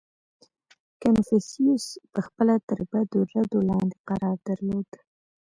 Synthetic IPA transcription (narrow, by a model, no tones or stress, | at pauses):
kanfesiuspəxpəlat̪əɾbad̪oɾad̪olɑnd̪eqaɾɑɾd̪əɾlod̪̥